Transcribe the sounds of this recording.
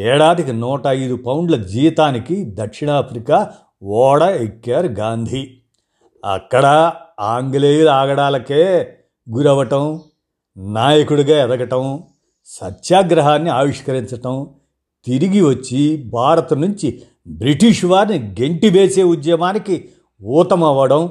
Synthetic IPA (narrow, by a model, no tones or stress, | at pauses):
ɛːɽaːd̪ikinɔːʈɐɐjd̪upɐwɳɖlɐd͡ʒiːʋit̪aːnikid̪ɐkʂiɳaːpʰɾikaː | ʋɔːɽɐekːjaːɾɡaːnd̪ʱi | ɐ̰kːɐɽɐaːŋɡleːjuɾaːɡɐɽaːlɐkeː | ɡuɾɐʋɐʈɐm | naːjɐkuɽuɡaːɛd̪ɐɡɐʈɐm | sɐtːʃjaːɡɾɐɦaːnːiaːʋiʂkɐɾiɲt͡ʃɐʈɐm | t̪iɾiɡiʋɐt͡ʃːibʱaːɾɐt̪ɐnuɲt͡ʃi | bɾiʈiʂʋaːɾniɡe̞ɳʈibeːseːud̪jɐmaːniki | uːt̪ɐmɐʋɐɽɐm